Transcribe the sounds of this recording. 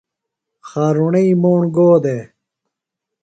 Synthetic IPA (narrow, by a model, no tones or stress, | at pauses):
xaːɾuɳiimoːɳɡoːd̪e